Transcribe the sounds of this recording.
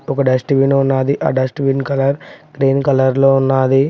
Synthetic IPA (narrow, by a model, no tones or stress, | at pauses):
ɔkɐɖɐsʈʋinunːaːd̪iʔa̰ːɖɐsʈʋinkɐlɐɾkɾeːnkɐlɐɾloːunːaːd̪i